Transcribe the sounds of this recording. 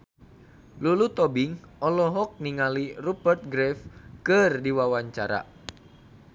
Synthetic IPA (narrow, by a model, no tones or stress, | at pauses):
lulut̪ɔbiŋɔlɔɦɔk̚niŋalirupərt̪̚ɡɾɛfkɨrdiwawaɲt͡ʃaɾa̰